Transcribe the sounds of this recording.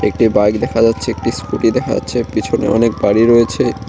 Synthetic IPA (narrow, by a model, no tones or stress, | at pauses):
ḛk̚ʈibajkd̪ɛkʰad͡ʑatːɕʰeek̚ʈiskuʈid̪ɛkʰa̰d͡ʑa̰tːɕʰepit͡ɕʰonḛɔ̰nek̚baɽiɾɔet͡ɕʰe